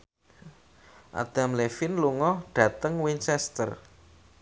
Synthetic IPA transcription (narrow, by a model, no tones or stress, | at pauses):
ʔa̰d̪̥a̤mlefɪnluŋɔɖ̥ä̤t̪əŋwiɲt͡ʃɛst̪ə̰r